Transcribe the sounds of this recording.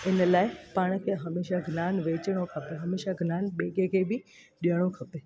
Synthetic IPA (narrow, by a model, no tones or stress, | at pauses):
ɪnlaːɪpaːɽ̃kʰeɦɐmeːʃaɡʱnaːnʋeːt͡ɕəɽ̃okʰɐpeɦɐmeːʃaɡʱnaːnɓeːɡekʰebɪ | ɗijəɽ̃okʰɐpeː